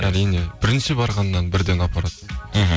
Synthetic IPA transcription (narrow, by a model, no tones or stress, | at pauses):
æɾijne̞b̥ɪɾɪnʃɪbɑɾʁɑnːɑnbɪɾd̪e̞nɑpɑɾɑt̪